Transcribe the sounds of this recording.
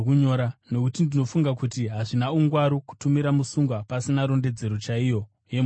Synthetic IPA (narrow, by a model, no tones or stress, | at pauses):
kuɲoɾano̞kutindino̞fuŋɡakutiɦaʐinauŋɡwaɾoku̥tumiɾamusuŋɡwapasinaɾo̞nde̞d͡ze̞ɾot͡ʃaijo̞ | jem